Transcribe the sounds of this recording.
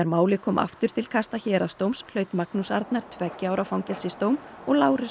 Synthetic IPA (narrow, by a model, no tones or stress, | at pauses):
ɛɾmaːwlɪkʰɔːmʔa̰ft̪ʏɾ̥t̪ʰɪl̥kʰast̪açɛːɾast̪owmsl̥œːɥt̪maknusaɾt̪naɾ̥t̪ʰvɛcːɪaːwɾafawŋcɛlsɪst̪owmɔɣlaːwɾɪ